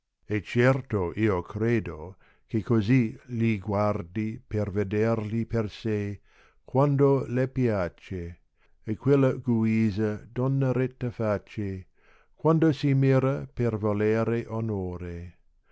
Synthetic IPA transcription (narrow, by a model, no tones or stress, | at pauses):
et͡ʃɛrt̪oʔiːokʰɾeːd̪o | kekoziliɡward̪iperved̪erliperse | kwand̪olepjat͡ʃeː | kʰwelːɐɡuiːzɐd̪onːɐɾet̪ːɐfat͡ʃe | kwand̪osimiːɾɐpervoleːɾeʔonoːɾe